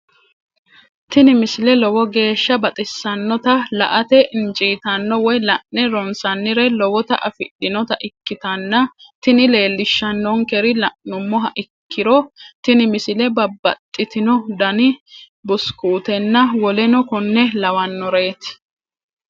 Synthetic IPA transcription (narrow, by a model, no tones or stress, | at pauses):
t̪ɪnɪmɪsɪlɛlɔwɔɡe̞ːʃːɐbɐt̪ʼɪsːɐnːɔt̪ɐlɐ̰ʔɐt̪ɛʔɪnt͡ʃʼiːt̪ɐnːɔwɔjlɐʔnːɛɾɔnsɐnːɪɾɛlɔwɔt̪ɐʔɐfɪɗːɪnɔt̪ɐʔɪkːɪt̪ɐnːɐt̪ɪnɪle̞ːlːɪʃːɐnːɔŋkɛɾɪlɐʔnʊmːɔɦɐʔɪkʰːɪɾɔt̪ɪnɪmɪsɪlɛbɐbːɐ̰t̪ʼːɪt̪ɪnɔd̪ɐnɪ | bʊskuːt̪ɛnːɐwɔlɛnɔkɔnːɛlɐwɐnːɔɾe̞ːt̪ɪ̥